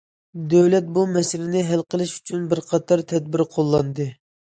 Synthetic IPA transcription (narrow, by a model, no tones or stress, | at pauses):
d̪ɛwlɛt̪̚bumɛsɪlɪnɪɦælqʰəlˠɨʃy̥t͡ʃʰynbɪɾqʰɑt̪ʰɑɾt̪ʰɛd̪̚bɪɾqʰolˠːɑnd̪ɨ